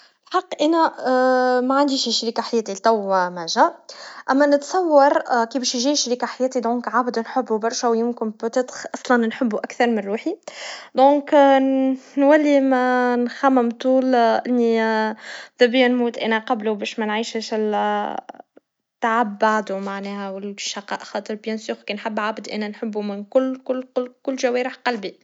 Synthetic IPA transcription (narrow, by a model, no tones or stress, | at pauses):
lħɑqːʔænæ | mæʕand̪iʃʃɾiːkaħajɛːt̪ilt̪æwmæːʒæʔæmːænɪt̪sˤɑwːɑɾˤkiːbɛːʃjʒiːʃɾiːkaħajæːt̪id̪õːkʕabd̪unħʊbːubɑɾˤʃæwjɪmkɪnpʊt̪ɪt̪xʔɑsˤlɑnnħəbːuʔækθɑɾˤmɪnɾuːħid̪õːk | nwælːimænxæmɪmt̪ˤuːlʔɪnːi | ðæbijænmuːt̪ʔænæqɑblubɛːʃmænʕiːʃʃɪl | t̪ːaʕabːaʕd̪umaʕnɛːhæwɪlʃɑqɑ̰ːʔxɑːt̪ˤəɾbjænsuːxkinħabːʕabd̪ʔæ̰nænħəbːumɪnkʊlːkʊlːʊkʊlːʒæwɛːɾəħqɑlbi